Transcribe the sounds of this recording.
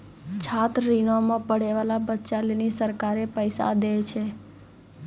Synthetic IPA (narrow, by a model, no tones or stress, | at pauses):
t͡ʃʰat̪ɾinomãpəɽeʋalabətːt͡ʃalinisəɾkaɾepəjsa̰d̪ejt͡ʃʰe